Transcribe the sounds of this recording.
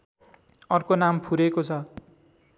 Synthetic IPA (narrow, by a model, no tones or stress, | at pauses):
ʌrkonampʰuɾekot͡sʰʌ